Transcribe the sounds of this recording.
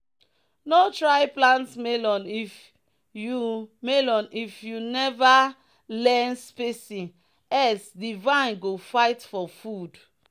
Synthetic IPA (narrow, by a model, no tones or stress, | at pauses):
notɹaɪplãntsmelɔ̃nif | jumelɔ̃nifjunɛva | lɛnspesĩ | ɛsdivãɪ̃nɡofaɪtfɔfud